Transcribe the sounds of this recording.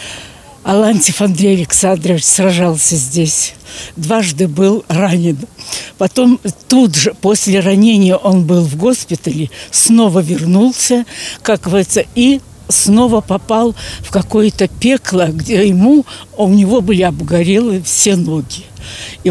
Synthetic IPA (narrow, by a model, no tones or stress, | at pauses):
ɐlˠanʲtʲɪfɐnd̪ɾʲejɐlʲɪksand̪ɾəvʲɪt͡ɕsrɐʐalˠsʲəzʲdʲesʲd̪vaʐd̪ɨbɨlˠranʲɪnpɐt̪o̞mt̪ud̪ʐɨpo̞sʲlʲɪrɐnʲenʲɪjəʔo̞nbɨlˠvɡo̞spʲɪt̪əlʲɪsno̞vəvʲɪrnulˠsʲəkak̚ɡəvɐɾʲit̪sːəi | sno̞vəpɐpalˠfkɐko̞jət̪əpʲe̞klˠəɡdʲejɪmuʊnʲɪvo̞bɨlʲɪɐbɡɐɾʲelˠɨfsʲe̞no̞ɡʲɪ